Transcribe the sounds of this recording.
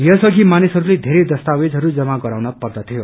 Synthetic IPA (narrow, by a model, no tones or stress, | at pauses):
jʌsʌɡʱimanisɦʌɾuled̪ʱeɾed̪ʌst̪awed͡zɦʌɾud͡zʌmaɡʌɾawnʌpʌrd̪ʌt̪ʰijo